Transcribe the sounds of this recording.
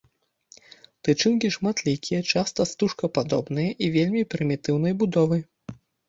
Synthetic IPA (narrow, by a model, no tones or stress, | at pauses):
t̪ɨt͡ʂɨnkʲiʂmat̪lʲikʲijɐt͡ʂast̪ɐst̪uʂkɐpad̪ɔ̰bnɨjɐʔivʲelʲmʲipɾɨmʲit̪ɨwnɐjbud̪ɔvɨ